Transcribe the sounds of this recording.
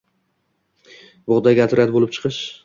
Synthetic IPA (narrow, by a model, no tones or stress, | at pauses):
bɒʁd̪aɡʲat̪ʰɾat̪bolɪp̚t͡ʃʰɨ̥qʰɨʃ